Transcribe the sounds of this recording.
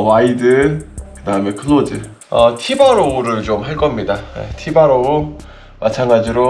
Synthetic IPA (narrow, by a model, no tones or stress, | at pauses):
waidɯkɯdaɯme̞kʰɯnod͡ʑɯ | ʌtʰibaɾouɾɯɭt͡ɕomɦaɭk͈ʌmɲidajḛtʰibaɾou | mʔat͡ɕʰaŋɡad͡ʑiɾo